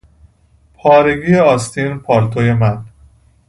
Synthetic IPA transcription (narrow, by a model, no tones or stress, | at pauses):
pʰɒːɾe̞ɡiːjeɒːst̪ʰiːnpʰɒːɾt̪ʰoje̞mæn